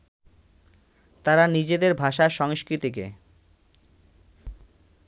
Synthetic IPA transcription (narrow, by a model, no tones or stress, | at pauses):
t̪aɾanid͡ʑed̪eɾbʱaʃaʃɔŋʃkɾit̪ik̬ḛ